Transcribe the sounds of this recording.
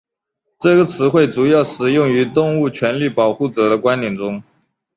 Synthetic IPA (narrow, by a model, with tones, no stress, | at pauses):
ʈ͡ʂɤ˥˩ɡə˩t͡sʰɹ̩˧˥xwe˥˩ɪʈ͡ʂu˨˩jɑ˥˩ʊʂɻ̩˨˩jʊ˥˩ŋy˧˥t̪ʊ˥˧ŋu˥˩t͡ɕʰɥɛ˧˥nli˥˩pɑ˨˩ʊxu˥˩ʈ͡ʂɤ˨˩d̪ə˦˧kwa˥nt̪jɛ˨˩nʈ͡ʂʊ˥ŋ